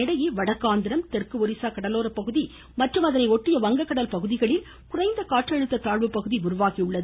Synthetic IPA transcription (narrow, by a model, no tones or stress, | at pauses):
ɪɽɐjeʋɐɽɐkːaːnd̪ɪɾɐmt̪ɛrkɯɔɾɪsaːkɐɽɐloːɾɐpːɐɣɯði | mɐʈrɯmɐðɐnɐɪɔʈːɪjɐʋɐŋɡɐkːɐɽɐlpɐɣɯðɪɣɐɭɪl | kʊrɐɪnd̪ɐkaːʈrɐɻɯt̪ːɐt̪aːɭʋɯpːɐɣɯðiʊɾʊʋaːɣiʊɭːɐðɯ